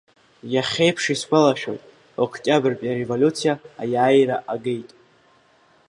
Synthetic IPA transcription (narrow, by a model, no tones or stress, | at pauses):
jaχʲe̞jpʰʂiskʷʰalaʃᶣo̞̰jtʼ | okʰcʲʼabɨrpʼjaɾevolʲut͡sʰijaajaːjɾaʔaɡejtʼ